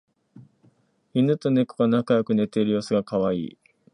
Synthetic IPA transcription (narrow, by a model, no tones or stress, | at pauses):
inɯ̟t̪o̞ne̞ko̥ɡanakajokɯ̟ne̞t̪e̞iɾɯ̟jo̞ːsɨɡakaβaḭː